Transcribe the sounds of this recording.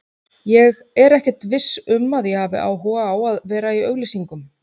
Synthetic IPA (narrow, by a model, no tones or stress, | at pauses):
jɛɣ | ɛɾɛhcɛ̥t̪vɪsːʏmːaðjɛɣhaːvɪ̰ʔa̰ːwɦɔːɣaawaðvɛːɾaiœɣlisiŋkʏm